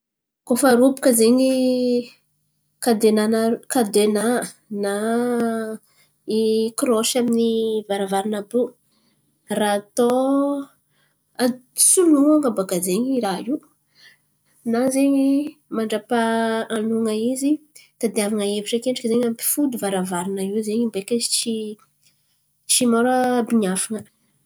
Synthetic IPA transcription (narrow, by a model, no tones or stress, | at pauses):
kofaɾupu̥kəzeɲi | kad̪enanakad̪ena | na | ikɾoʃaminivaɾavaɾinabu | raːt̪o | asunuaŋəbaɡazeɲiɾaiw | nazeɲimaɳɖ͡ʐapaanuŋəizit̪ad̪eavaŋəeviʈ͡ʂekeɳɖ͡ʐakəzeɲampi̥fud̪uvaɾavaɾinəiwzeɲimbekat͡ʃi | t͡ʃimoɾəbiɲafaŋə